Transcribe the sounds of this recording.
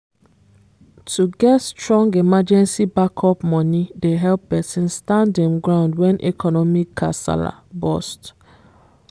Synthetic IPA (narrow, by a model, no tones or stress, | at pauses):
tʰuɡɛtstɹɔ̃ŋɡemad͡ʒɛ̃nsibakʰɔpmɔ̃nideɦɛlppɛsĩnstãndɛ̃mɡɹãʊ̃ndwɛ̃nʔɛ̰kʰɔnɔmikʰːa̰sa̰la̰bɔst